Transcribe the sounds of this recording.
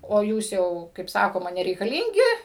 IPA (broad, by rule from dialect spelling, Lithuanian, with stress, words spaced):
oː ˈjuːs ˈjɛʊ kɐɪp ˈsɑːkoːmɐ nʲɛrʲɛɪkɐˈlʲiːŋʲɡʲɪ